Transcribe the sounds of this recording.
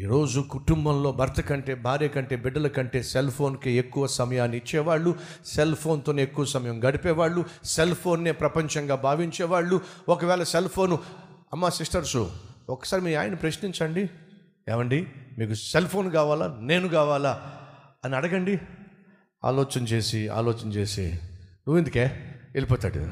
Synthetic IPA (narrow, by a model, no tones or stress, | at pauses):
iːɾo̞ːd͡ʒukuʈumbɐmlo̞ːbʱɐɾt̪ʰɐkɐɳʈe̞ːbʱaːɾeːkɐɳʈe̞ːbiɖːɐlɐkɐɳʈe̞ːselpʰo̞ːnkeekːuʋɐsɐmɐjaːnːiit͡ʃːɛːʋaːɭːu | selpʰo̞ːnt̪oːneekːuʋɐsɐmɐjɐmɡɐɽipɛːʋaːɭːuse̞lpʰo̞ːnːeːpɾɐpɐɲt͡ʃɐŋɡaːbʱaːʋiɲt͡ʃɛːʋaːɭːuɔkɐʋɛːlɐselpʰo̞ːnuɐmːaːsisʈɐɾsuɔkːɐ̥saːɾimiːaːjɐnipɾɐʃniɲt͡ʃɐɳɖi | ɛ̰ːʋɐɳɖimiːkuselpʰo̞ːnkaːʋaːla̰ːne̞ːnukaːʋaːlaː | ɐniɐɽɐɡɐɳɖi | a̰ːlɔːt͡ʃɐnt͡ʃe̞ːsia̰ːlɔːt͡ʃɐnɐt͡ʃe̞ːsḭnuʋːend̪ukeːelipɔːt̪aːɽṵ